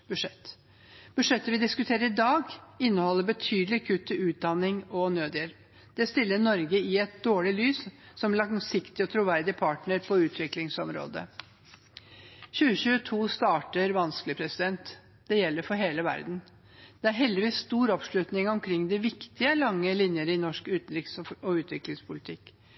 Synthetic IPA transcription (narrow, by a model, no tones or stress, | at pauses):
b̥ʉʂɛt̪ː | b̥ʉʂɛt̪ːəʋɪd̪ɪskʉt̪ʰeːɾəɾɪd̪ɑːɡɪnːəhɔlːəɾbət̪ʰyːd̪əlɪkʰʉt̪ʰːɪʉːt̪̚d̪ɑnɪŋɔnøːd̪jɛlp | d̪̥ɛst̪ɪlːənɔɾɡəɪɛt̪̚d̪oːɭɪlyːssɔmlɑŋsɪkt̪ɪɔt̪ʰɾʊʋæɾd̪ɪpʰɑʈɳəɾpʰɔʉːt̪ʰʋɪklɪŋsɔmɾo̰ːd̪ə̰ | çʉːəɕʉːət̪ʰuːst̪ɑːʈəɾʋɑnskəlɪpʰɾɛsɪd̪ɛnt̪ | d̪̥ɛjɛlːəɾfɔɾɦeːləʋæ̰ɾd̪n̩ | d̪̥ɛæɾɦɛld̪ɪʋiːsst̪uːɾɔpʂɭʉt̪nɪŋɔmkʰɾɪŋd̪ɛʋɪkt̪ɪəlɑŋːəlɪnjəɾəɪnɔʂkʉːt̪ɾɪksɔʉːt̪ʰʋɪklɪŋspʰʊlɪt̪ʰɪkː